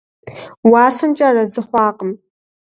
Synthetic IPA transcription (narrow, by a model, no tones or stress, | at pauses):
wɑːsɨmt͡ʃʼarɐzɨχʷɑːqʼəm